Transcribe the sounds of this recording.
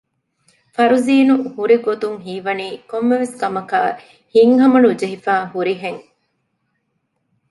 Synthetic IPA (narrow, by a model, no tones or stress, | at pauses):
fɐɾuziːnuhuɾiɡot̪uŋɦiːʋɐniːkomːeʋeskɐmɐkaː | hiŋɦɐmɐnud͡ʒeɦifaːɦuɾiɦeŋ